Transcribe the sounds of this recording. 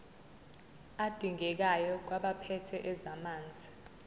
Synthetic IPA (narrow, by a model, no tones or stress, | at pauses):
ad̥ʱiŋɛk̬ajɔk̬ʼwaɓapʰɛtʰɛʔɛzamaːnd͡zʱi